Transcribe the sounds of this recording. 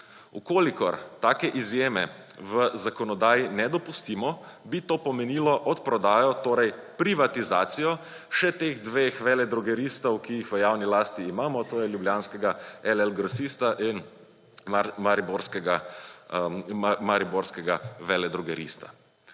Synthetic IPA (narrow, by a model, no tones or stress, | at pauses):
ukoːlikɔɾt̪aːkɛʔizjeːmɛ̰ | ʋəzakɔnɔd̪aːjinɛd̪ɔpust̪iːmɔbit̪oːpɔmɛniːlɔʔɔt̪pɾɔd̪aːjɔt̪oːɾɛjpɾiʋat̪izaːt̪sijɔ | ʃɛt̪eːɣd̪ʋeːxʋɛlɛd̪ɾɔɡɛɾiːst̪ɔwkijixʋəjawnilaːst̪iːmaːmɔt̪oːjɛljubljaːnskɛɡaɛlɛlɡɾɔsist̪aʔin | amaɾiboɾskɛɡa | maɾiboɾskɛɡaʋɛlɛd̪ɾɔɡɛɾḭst̪a̰